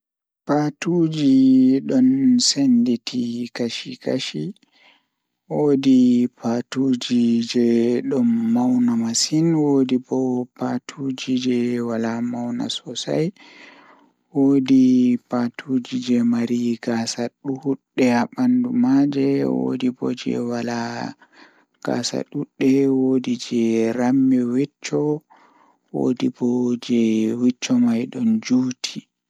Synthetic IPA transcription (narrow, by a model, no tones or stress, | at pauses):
patud͡ʒiɗɔnsenditʰikaʃika̰ʃi | woːdipatud͡ʒid͡ʒɛɗɔnːawnamasinwodibɔpatʰuːd͡ʒid͡ʒɛwalamawna̰sɔsa̰j | woːdipatʰud͡ʒid͡ʒɛmaɾiɡasaɗuɗːɛaɓandumad͡ʒɛwo̰dibɔ̰d͡ʒɛ̰wala | ɡ̥a̰sa̰ɗuɗːɛwoːdid͡ʒɛɾamːiwit͡ʃːɔ | wo̰ːdibɔd͡ʒɛwit͡ʃːɔmajɗɔnd͡ʒuːtʰi